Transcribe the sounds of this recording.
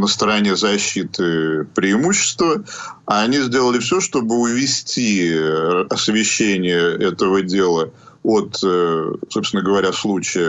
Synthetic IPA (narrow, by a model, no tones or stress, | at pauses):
nəst̪əɾɐnʲe̞zɐɕːit̪ɨpɾʲɪːmuɕːɪ̥st̪vəaːnʲizʲdʲe̞lˠəlʲɪfsʲoʂt̪o̞bɨʊvʲɪsʲtʲi | ɐsvʲɪɕːenʲɪjəɛt̪əvədʲe̞lˠəot̪ | so̞pst̪ʲvʲɪnəɡəvɐɾʲaslˠut͡ɕɪjə